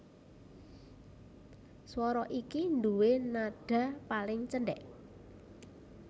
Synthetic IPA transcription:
swɔɾɔʔikind̪uwenaɖ̥ä̤palɪŋt͡ʃənɖɛʔ

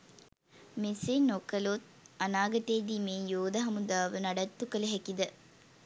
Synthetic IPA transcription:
mesenokəlot̪̚anaːɡɐʈeːd̪iːmejoːd̪ɐɦɐmud̪aːʋənaɖɐt̪ːukələɦɛkid̪ə

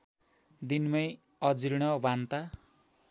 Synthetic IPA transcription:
d̪inmʌj | ʌd͡ziɾɽ̃ʌbant̪a

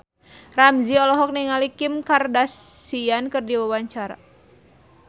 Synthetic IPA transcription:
ramziɔlɔɦɔk̚niŋalikimkardasiankɨrdiwawaɲt͡ʃaɾa̰

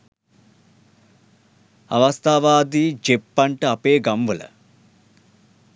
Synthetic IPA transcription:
ɐ̰ʋɐst̪ʰaːʋaːd̪iːd͡ʒepːɐɳʈəɐpeːɡɐmʋələ̰

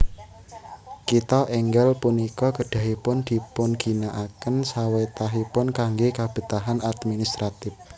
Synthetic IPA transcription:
kit̪ɔʔɛŋɡɛlpunikɔkəɖ̥ä̤ɦipʊnd̪̥i̤pʊnɡ̥i̤naʔakənsawet̪aɦipʊnkaŋɡekab̥ə̤t̪aɦanad̪minist̪ɾat̪ɪf

